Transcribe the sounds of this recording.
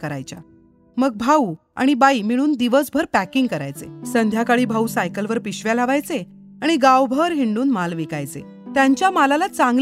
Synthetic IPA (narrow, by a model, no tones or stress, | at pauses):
kəɾa̰jt͡ɕa̰ | məɡ̚bʱau | a̰ɽ̃ibaiːmiɭ̃uːnd̪iʋəsbʱəɾpækiŋɡkəɾa̰jt͡sḛsənd̪ʱjakaɭiːbʱausajkəlʋəɾpiɕʋjalaʋajt͡se | aɽ̃iɡawbʱəɾɦiɳɖuːnmalʋikajt͡sḛ | t̪jaɲt͡ɕjamalalat͡sãŋɡ